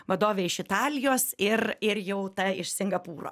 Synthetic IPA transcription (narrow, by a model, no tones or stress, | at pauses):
ʋɐd̪oːʋʲeːɪʃɪt̪ɑːlʲɪjoːsɪrɪɾjɛʊt̪ɐɪʃsʲɪŋɡɐpuːro̰ː